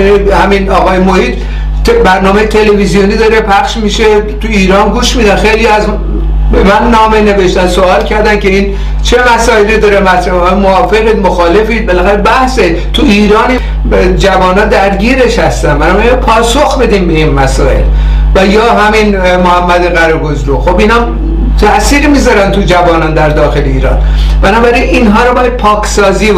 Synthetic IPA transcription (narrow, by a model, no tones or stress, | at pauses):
nihæminɒːɣɒːjemohiːd̪ | bæɾnɒːmejet̪ʰe̞levizijoniːd̪ɒːɾe̞pʰæxʃmiʃet̪ʰuiːɾɒːnɡuːʃmiːd̪ænxejliæz | bemænːɒːmene̞ve̞ʃt̪ænsoɒːlcʰæɾd̪ænce̞iːn | t͡ʃʰe̞mæsɒːelid̪ɒːɾemæt̪ɾæbɒːjmoɒːfe̞ɣiːd̪moxɒːle̞fiːd̪̚belæxæɾebæhse | t̪ʰuiːɾɒːni | d͡ʒævɒːnɒːd̪æɾɟiːɾe̞ʃhæst̪ænbænɒːbæɾiinpʰɒːsoxbe̞d̪iːmbe̞inmæsɒːḛl | væjɒːɦæmin | mohæmːæd̪eɣæɾɒɡozɾuxobinɒm | t̪ʰæʔsiːɾmizɒɾænt̪ʰud͡ʒævɒːnɒːnd̪æɾd̪ɒːxe̞leḭːɾɒ̰ːn | b̥ænɒːbæɾinʔinɦɒːɾobɒːjæd̪̚pʰɒːkʰsɒːziː